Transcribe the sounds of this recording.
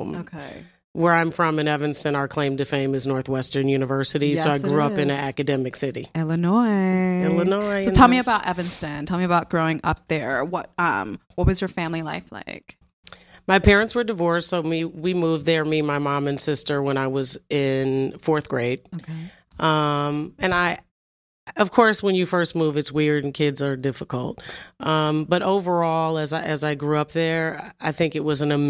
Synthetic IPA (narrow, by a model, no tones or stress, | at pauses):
moʊkʰeɪ | wə˞ãɪ̃ɱfɹʌ̃mɨ̃nɛvɨ̃nstɨ̃naʊə˞kʰl̥ẽɪ̃mtɨfẽɪ̃mɨznɔɹθwɛstə̃˞njʉnɨvɜ˞sɨɾisoʊaɪɡɹuʌpɨ̃nɨækɨdɛmɨksɪɾiɛlˠənɔɪɛlˠənɔɪsoʊtʰɛlˠmiɨbaʊɾʔɛvɨ̃nstɨ̃ntʰɛlˠmiɨbaʊt̚ɡ̥ɹoʊɪ̃ŋʌ̰p̚ðə˞wʌt̚ʌ̰̃mwʌt̚wʌzjə˞fæ̃mlila̰ɪfla̰ɪk | maɪpʰɛɹɨ̃ntswə˞dɨvɔɹsːoʊmiwimuvðə˞mimaɪmɑ̃mɨ̃nsɪstə˞wə̃ɾ̃aɪwʌzɪ̃nfɔɹθɡ̥ɹeɪd̚oe | ʔʌ̃mɨ̃naɪ | ʌv̥kʰɔɹswə̃njɨfɜ˞st̚muvɨtswɪɹd̃n̩kʰɪdzə˞dɪfəkl̩ˠt̚ʔʌ̃mbʌɾoʊvə˞ɔlˠəzʔɨzaɪɡɹuʌp̚ðə˞aɪθɪ̃ŋkɨt̚wʌzɨ̃n̩ɨ